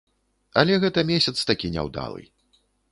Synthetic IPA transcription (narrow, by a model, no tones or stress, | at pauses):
ɐlʲɛɣɛt̪ɐmʲesʲɐt̪st̪akʲinʲɛ̰wd̪a̰lˠɨ̰j